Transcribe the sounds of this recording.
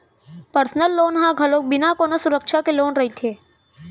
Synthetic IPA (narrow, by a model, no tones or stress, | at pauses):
pəɾsnəlːoːnɦãːɡʱəloːk̚bɪnakoːnosʊɾəkʃakeloːnɾəɦit̪ʰeː